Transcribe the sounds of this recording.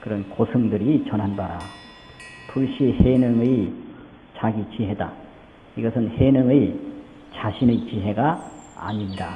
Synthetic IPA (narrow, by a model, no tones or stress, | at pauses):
kɯɾʌnkosʰɯŋdɯɾit͡ɕʌnɦanbaɾa | tʰuɭɕʰihenɯŋɯj | t͡ɕaɡit͡ɕiɦe̞da̰ | iɡʌsʰɯnhenɯŋɯj | t͡ɕaɕʰinɯjt͡ɕiɦe̞ɡa̰ːɲinda